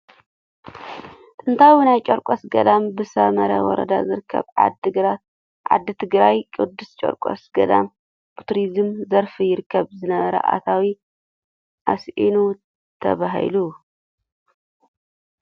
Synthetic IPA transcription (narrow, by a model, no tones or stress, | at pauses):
t̪ʼɨnt̪ʰawnajt͡ʃʼoɾkʷʼosɡɐd̪ambɨsɐmɐɾɐ̰wɔ̰ɾɐ̰d̪a̰zɨɾɨkʰːɐ̰βɨɾa | ʕa̰d̪ːɨt̪ʰɨɡɾajkʼɨd̪ːust͡ʃʼɐ̰ɾkʼo̰sɡɐd̪a̰m | bɨt̪ʰuɾizɨmzɐɾfijɪɾɨkʰːɐβzɨnɐβɐɾɐ̰ʔa̰t̪ʰawi | ʔasʔinu | t̪ʰɐβaɦḭlu